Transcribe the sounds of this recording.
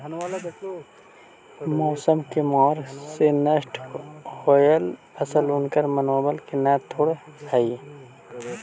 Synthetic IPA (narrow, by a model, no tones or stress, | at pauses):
moːsəmkemɔːɾsenɐsʈɣojɐl | ɐsəlʊnkɐɾmɐnoːbɐlkenɛːt̪ʰːoɽhɐi